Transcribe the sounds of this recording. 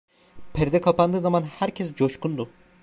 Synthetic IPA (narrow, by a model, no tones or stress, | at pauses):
pʰɛɾd̪ɛkʰapand̪ɯːzamanhæɾcʰɛs̬d͡ʒoʃkʰund̪u